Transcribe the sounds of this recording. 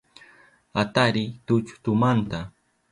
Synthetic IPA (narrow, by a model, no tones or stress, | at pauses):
at̪aɾɪt̪ʊt͡ʃʊ̥t̪ʊmant̪a